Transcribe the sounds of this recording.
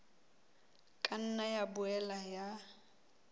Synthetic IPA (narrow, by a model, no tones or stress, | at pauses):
kʼan̩najabʊɛlaja